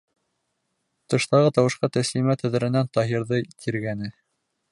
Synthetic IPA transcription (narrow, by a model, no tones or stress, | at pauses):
t̪ɤ̆ʃt̪ɑʁɤt̪ɑwɤ̆ʃqɑt̪æslimæt̪æ̆ðɘ̆ɾɘ̆nænt̪ɑɦiɾðɤt̪ʰiɾɡænɘ